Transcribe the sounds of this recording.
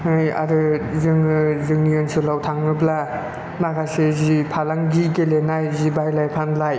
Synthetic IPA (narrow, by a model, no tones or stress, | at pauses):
ɯja̰ɾɯzɯŋɯzɯŋnijɔnsʰɯlawtʰaŋɯbla | makʰasezipʰalaŋɡikelenajzibajlajpʰanlaj